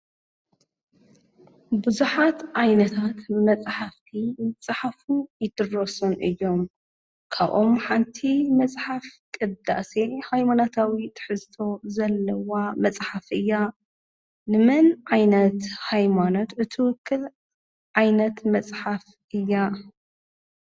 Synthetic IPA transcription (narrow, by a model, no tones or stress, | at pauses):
bɨzuħat̪ʕajnɐt̪ʰat̪mɐt͡sʼħaft̪ʰimɨt͡sʼħafujɪd̪ɨrosunʔɨjːo̞m | kʰaβʔo̞mħant̪ʰimɐt͡sʼħafkʼɨd̪a̰sehajmanot̪ʰawit̪ʰɨ̥ħɨzt̪ʰo̞zɐlːɐwamɐt͡sʼħafʔɨjːa | nɨmɨnʕajnɐt̪hajmano̞t̪ɨt̪ʰɨwʊkʰːɨl | ʕajnɐt̪mɐt͡sʼħaf | ʔɨjːa